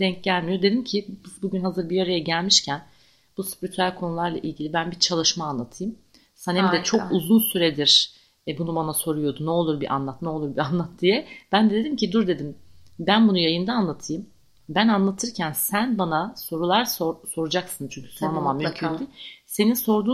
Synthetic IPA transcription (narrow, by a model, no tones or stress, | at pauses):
d̪̥ɛɲc̚ɟælʲmijo̞d̪e̞d̪imcʰib̪buɟynɦazɯɾbijaɾajaɟælʲmiʃcʰæn | b̥usy̥pɾit̪ʰɾælʲkʰo̞nulˠaɾlˠa̰ʔilʲɟʲilʲibænbiɾt͡ʃʰalˠɯʃmaːnlˠat̪ʰɯjɯm | sɛnhemd̪ɛt͡ʃʰo̞kuzunsyɾed̪iɾ̥ | ɛbunubanaso̞ɾujo̞d̪unɛo̞lˠuɾbiʔa̰nlˠat̪nɛolˠuɾbianlˠat̪̚d̪̥ijɛb̥ænd̪ɛd̪ed̪imcʰid̪uɾd̪e̞d̪imbænbunujajɯnd̪aːnlˠat̪ʰɯjɯm | bænanlˠat̪ʰɯɾcʰænsænbanaso̞ɾulˠaɾsoɾso̞ɾud͡ʒaksɯnt͡ʃʰyɲcʰy̥soɾlˠamamjkʰyise̞ninso̞ɾd̪uː